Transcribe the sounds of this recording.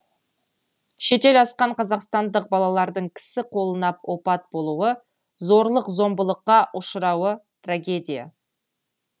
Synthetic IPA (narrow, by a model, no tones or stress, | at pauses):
ʃe̞t̪e̞lɑsqɑɴqʰɑzɑqst̪ɑnd̪əq̚bɑlˠɑlˠɑɾd̪əɴkʲʰɪ̥sɪqʰo̞lˠənɑpwo̞pɑt̪̚bo̞lˠuwə | zo̞ɾlˠəqzo̞mbəlˠəqːɑʔʊʃəɾɑwə | t̪raɡʲe̞d̪ʲija̰